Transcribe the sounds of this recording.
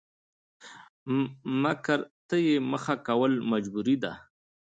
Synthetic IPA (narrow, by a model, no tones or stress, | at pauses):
makəɾt̪əjeməxakawəlmad͡ʒbuɾid̪a